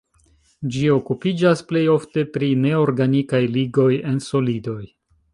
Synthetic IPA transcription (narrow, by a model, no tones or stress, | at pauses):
d͡ʒio̞kupid͡ʒasple̞jo̞fte̞pɾine̞o̞ɾɡanikajliɡo̞je̞nso̞lido̞j